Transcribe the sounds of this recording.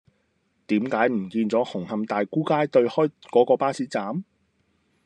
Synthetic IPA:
t̪iː˨˥mkaː˨˥jm̩˨˩kiː˧nt͡sɔː˨˥hʊ˨˩ŋhɐ˨˧mt̪aː˨jkuː˥kaː˥jt̪ɵ˧ɥhɔː˥jkɔː˨˥kɔː˧paː˥siː˨˥t͡saː˨˥m

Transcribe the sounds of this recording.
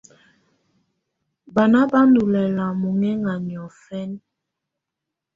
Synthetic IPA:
ba˨na˦ba˦ndu˨lɛ˨la˨mu˨ŋɛ˦ŋa˨mjɔ˨fɛ˦n

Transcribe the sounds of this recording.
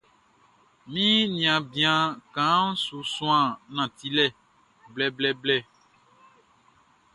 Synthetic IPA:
mĩ˦nĩ˨ã˨bĩ˨˦ã˨kã˨˦su˨sũ˦ã˦˨nã˨t̪i˦lɛ˦˨ | blɛ˦blɛ˦blɛ˦˨

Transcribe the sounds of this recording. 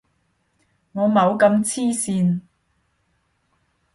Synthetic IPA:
ŋɔː˨˧mɐ˨˧wkɐ˧mt͡sʰiː˥siː˧n

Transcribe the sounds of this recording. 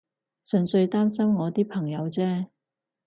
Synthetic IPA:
sɵ˨˩nsɵ˧ɥt̪aː˥msɐ˥mŋɔː˨˧t̪iː˥pʰɐ˨˩ŋjɐ˨˧wt͡sɛː˥

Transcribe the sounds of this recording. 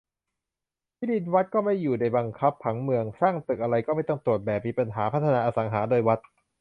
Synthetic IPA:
t̪ʰiː˥˩di˧nwa˦˥t̪̚kɔː˥˩ma˥˩jːuː˨˩da˧˩jba˧ŋkʰa˦˥pʰːa˩˦ŋmɯ˧əŋsaː˥˩ŋt̪ɯ˨˩k̚ʔa˧ɾa˧jkɔː˥˩ma˥˩jt̪ɔ˥˩ŋt̪ɾu˨˩ət̪̚bɛː˨˩p̚miː˧˩pa˧nɦaː˩˦pʰa˦˥t̪ʰːnaː˧ʔaː˧sa˩˦ŋɦaː˩˦doː˧jwa˦˥t̪̚

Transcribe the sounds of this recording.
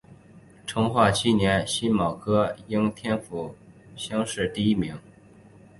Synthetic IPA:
ʈ͡ʂʰɤ˧˥ŋxwa˥˩t͡ɕʰi˥njɛ˧˥nɕi˥nmɑ˨˩ʊkʰɤ˥i˥ŋt̪ʰjɛ˥nfu˨˩ | ɕjɑ˥ŋʂɻ̩˥˧t̪i˥˩i˥mi˧˥ŋ

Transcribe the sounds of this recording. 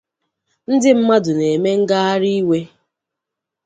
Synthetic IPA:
n̩˦dɪ˦m̩˦ma˦dʊ˨ne˨me˦ŋ̩˦ɡa˦ɦa˦ɾi˦we˦

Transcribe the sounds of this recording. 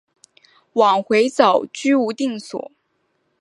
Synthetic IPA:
wɑ˨˩ŋxwe˧˥ɪt͡sɑ˨˩ʊt͡ɕy˥u˧˥t̪i˥˩ŋswɔ̰˨˩˦

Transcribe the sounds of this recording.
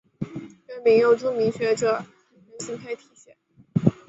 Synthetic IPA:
kɛ˧˥nmi˧˥ŋjo˥˩ʊʈ͡ʂu˥mi˧˥ŋɕɥɛ˧˥ʈ͡ʂɤ˨˩xə˨˩nə˧˥nɕi˥ŋk̪ʰa˥˧ɪt̪ʰi̥˨˧˥ɕjɛ˨˥˩n

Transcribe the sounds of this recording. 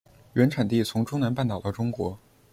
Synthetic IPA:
ɥɛ˧˥nʈ͡ʂʰa˨˩nt̪i˥˩t͡sʰʊ˧˥ŋʈ͡ʂʊ˥ŋna˧˥npa˥˩nt̪ɑ˨˩ʊd̪ə˦ʈ͡ʂʊ˥ŋkwɔ˧˥

